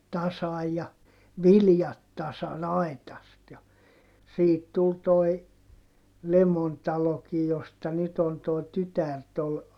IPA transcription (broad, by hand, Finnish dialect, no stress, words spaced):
tɑsɑj jɑ ʋiljɑt tɑsɑn ɑi̯tɑst jɑ siːt tul toi lemon tɑlokij jostɑ nyt on toˑi̯ tytær tol